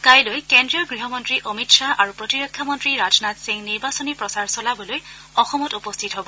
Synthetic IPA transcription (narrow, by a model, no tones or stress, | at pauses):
kajlojkendɹijɔɡɹiɦɔmɔntɹiʔɔmitsaʔaɹupɹɔtiɹɔkʰːjamɔntɹiɹazɔnatsiŋniɹbasɔnipɹɔsaɹsɔlabɔloj | ɔxɔmɔtupɔstʰitɦɔbɔ